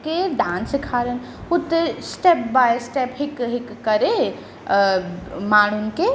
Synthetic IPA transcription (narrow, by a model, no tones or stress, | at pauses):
keɖãːnsikʰaːɾən | ʊt̪ːesʈɛp̚bajsʈɛpɦikɦikːəɾe | maːɽunke